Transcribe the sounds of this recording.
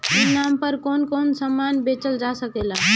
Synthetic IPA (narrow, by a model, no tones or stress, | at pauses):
ɪnaːmpəɾkoːnkoːnsəmːaːnbet͡ʃəld͡ʒasəkeːla